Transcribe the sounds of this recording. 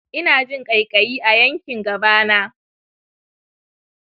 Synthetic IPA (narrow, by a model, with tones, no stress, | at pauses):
ʔɪ˦naː˨d͡ʒɪ˦ŋkʼɐ˨jkʼɐ˨jiː˦ʔa˨jɐ˦ŋkʲɪ˨ŋɡɐ˨baː˦naː˦